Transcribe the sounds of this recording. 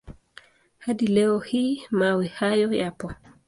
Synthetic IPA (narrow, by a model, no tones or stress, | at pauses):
hadilɛɔhimawɛhajɔjapɔ